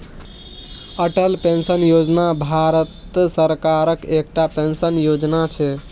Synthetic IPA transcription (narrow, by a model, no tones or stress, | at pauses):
əʈəlpensənjod͡ʒnabʱaɾət̪səɾkaɾəkek̚ʈapensənjod͡ʒnat͡ʃʰɛ